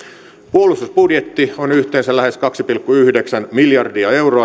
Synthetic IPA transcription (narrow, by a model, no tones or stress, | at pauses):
puolˑust̪usbudjet̪ːionyht̪eːnsælæhe̞skɑksipilkːuyhdeksænmiljɑrdiɑe̞wroɑ